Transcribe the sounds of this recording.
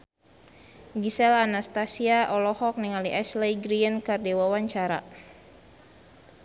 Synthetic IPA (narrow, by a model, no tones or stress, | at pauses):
ɡisɛlanast̪asiaʔɔlɔhɔk̚niŋaliʔɛslɛjɡɾiənkardewawaɲt͡ʃaɾa̰